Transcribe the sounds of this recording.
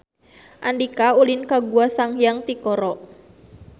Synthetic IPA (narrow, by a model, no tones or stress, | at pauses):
ʔandikaulinkaɡuasaŋjaŋt̪ikɔɾɔ